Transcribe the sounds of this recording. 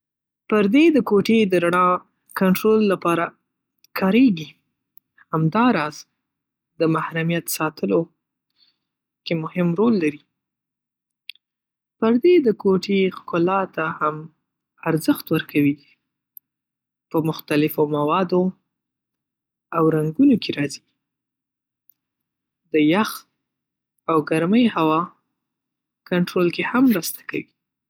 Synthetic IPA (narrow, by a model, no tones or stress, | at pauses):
pəɾd̪ed̪əkoʈed̪əɾaɳɑ | kaɳʈɾolːapɑɾa | kʰɑɾeɡi | hamd̪ɑɾɑz | d̪əmahɾamijat̪sɑt̪ʰəlo | kemʊhɪmɾolːaɾi | pəɾd̪ed̪əkoʈexkʊlɑt̪aham | aɾzəxt̪wəɾkʰawi | pəmʊxt̪alɪfomawɑd̪o | awɾaŋɡunokeɾɑzi̥ | d̪əjax | awɡaɾməjhawɑ | kaɳʈɾolkehamːɾast̪ḁka̰wi